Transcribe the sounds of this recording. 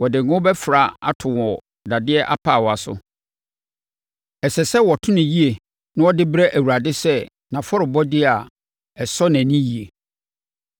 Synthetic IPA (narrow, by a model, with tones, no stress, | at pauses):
wɔ˨dɪ˨nʊ̃˦bɛ˦fɾa˨a̰˦tʰʊ̃˨wɔ˨ | da˨dɪ˦ɛ˦ʔa˦pʰa˦˨wɔ˨a˨sʊ̰˨ | ɛ˨sɛ˨sɛ˦wɔ˨tʰʊ̃˦nɪ̃˨ji˦e˨ | nʊ̃˦ɔ˦dɪ˦bɾɛ˦ʔæ˨wu˨ɾa˨dɪ˦sɛ˦ | nã˨fɔ˦ɾɪ˨bɔ˦dɪ˦a˨ | ɛ˨sɔ˦nɛ̃˨nĩ˦ji˨e˨